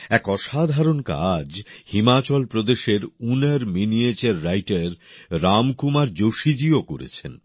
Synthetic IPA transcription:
ɛkɔʃad̪ʱaɾonka̰d͡ʑhimat͡ɕɔlpɾod̪eʃeɾuneɾminiet͡ɕaɾːajʈaɾɾamkumaɾd͡ʑoʃid͡ʑiokoɾḛt͡ɕʰen

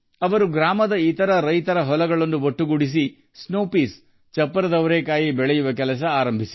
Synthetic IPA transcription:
ɐʋɐɾuɡɾaːmɐd̪ɐit̪ɐɾɐɾɐjt̪ɐɾɐɦɔlɐɡɐɭɐnːuʋoʈːuɡuɽis̬i | snoːpiːs | t͡ʃɐpːɐɾɐd̪ɐʋɐɾeːkaːjibɛɭɛjuʋɐkɛlɐs̬ɐaːɾɐmbʱisi̥

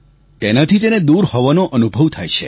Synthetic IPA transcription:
t̪enat̪ʰit̪ened̪uɾhɔʋanoʔənubʱəʋt̪ʰajt͡ʃʰḛ

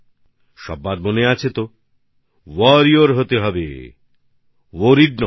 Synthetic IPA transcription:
ʃɔ̰bːaɾmoneat͡ɕʰet̪o | wɔɾioɾɦot̪eɦɔbḛ | woɾiɖnɔ

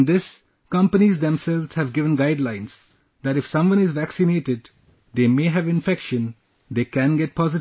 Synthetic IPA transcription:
nd̪ɪs | kʌ̃mpənizd̪ɛ̃msɛlʋz̥hæʋɡɪʋə̃nɡaɪɖlãɪ̃nz | d̪æʈɪfsʌ̃mʋʌ̃nɪzʋæksɪneːʈɪɖ | d̪eːmeːɦæʋɪ̃nfɛkʃə̃n | d̪eːkæ̃nɡɛʈ̚pʰɔzɪʈ

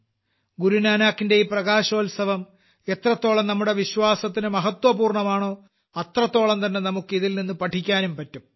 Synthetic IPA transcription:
ɡuɾunaːnaːkːinde̞iprɐɣaːɕo̞ːlsɐʋɐm | e̞t̪rɐt̪ːo̞ːɭɐmnɐmːuɽe̞ʋiɕwaːsɐt̪ːinɨmɐɦɐt̪wɐpuːrɳɐmaːɳo̞ː | ɐt̪rɐt̪ːo̞ːɭɐmt̪ɐnːe̞nɐmukːɨiðilninːupɐʈʰikʲːaːnumpɐtːum

